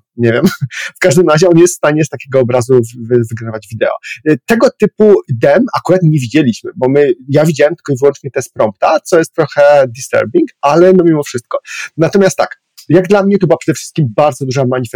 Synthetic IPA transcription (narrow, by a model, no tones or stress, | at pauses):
ɲevʲjɛmfkaʐd̪ɘmɾaʑɛɔnjɛst̪fst̪aɲɛst̪akʲeɡɔːbɾazuvvɘɡnavad͡ʑvʲid̪ɛ̰ɔ̰t̪ɛɡɔt̪ɘpud̪ɛmakuɾat̪ɲevʲid͡ʑelʲiɕmɘbɔmɘjavʲid͡ʑawɛmt̪kɔivɘwɔnt͡ʂɲɛt̪ɛs̚pɾɔmp̚t̪at̪sɔjɛst̪t̪ːɾɔxɛd̪ist̪ɛ̰ɾbʲiŋkalɛnɔmʲimɔfʂɘst̪̚kɔnat̪ɔmʲjast̪ːa̰k | jaɡd̪lamɲɛt̪ɔbɘwapʂɛd̪ɛfʂst̪̚kʲimbaɾd̪zɔd̪uʐamaɲifɛ